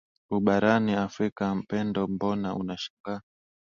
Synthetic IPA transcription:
uɓaɾaniafɾikam̩pɛndɔmbɔnaʔṵnaʃḁŋɡa

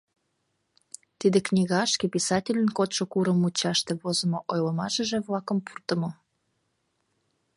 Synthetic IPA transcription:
t̪id̪eknʲiɣɑɑʃkepisɑtʲilʲənkot̪ʃokuɾəmut͡ɕɑʃt̪eβozŏmoʔojləmɑʃə̆ʒĕβlɑkəmpurt̪ə̆mo

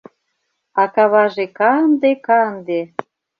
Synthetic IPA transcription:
ɑkɑβɑʒekɑənd̪ekɑənd̪e

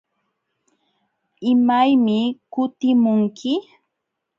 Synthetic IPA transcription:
ɪmajmɪkʊt̪ɪmʊŋkʰɪ

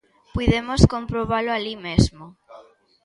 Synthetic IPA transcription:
pujðemoskompɾoβ̞alʊalimezmo

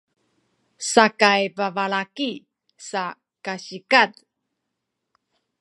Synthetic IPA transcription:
sakajpavalaki | sa | kaɕikat̪

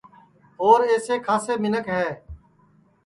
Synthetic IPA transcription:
ɦoːɾeːseːkʰaːseːmɪnəkɦɛː

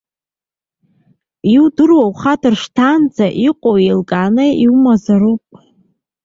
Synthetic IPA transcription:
iwdɨrwawχatʰɨrʂtʰand͡zaʔiqʷʼowejlkʼaːnɨiwmazaɾupʼ

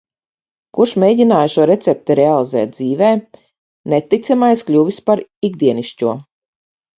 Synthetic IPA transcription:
kuɾʃmʲeːɟʲinaːjʃuɔɾet̪sʲɛp̚t̪iɾealˠizɛ̰ːt̪̚d̪ziːvɛː | net̪ːit̪samajsklʲuʋispaɾiɡd̪iɛniʃcuɔ

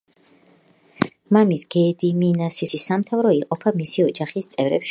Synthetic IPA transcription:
mamisɡ̥ɛːd̪iminasisisamt̪ʰavɾɔiqʼɔpʰamisiɔd͡ʒaχist̪sʼɛvɾɛ̰pʃ

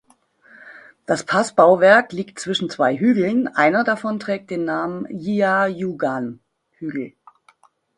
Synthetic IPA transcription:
d̥aspʰasb̥aʊvɛɐkliːktt͡sv̥ɪʃn̩t͡sv̥aɪɦyːɡl̩nʔaɪnɐdafɔntʁ̥ɛːk̚t̚d̥eːnːaːmənjiajuɡan | hyːɡl̩

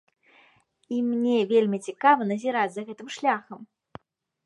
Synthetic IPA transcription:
imnʲɛvʲelʲmʲit͡sʲikavɐnɐzʲiɾad͡zʲzɐɣɛt̪ɨmʂlʲaxɐm

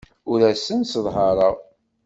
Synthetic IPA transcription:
ʊɾæsənsəðˤɦɑɾˤəʁ

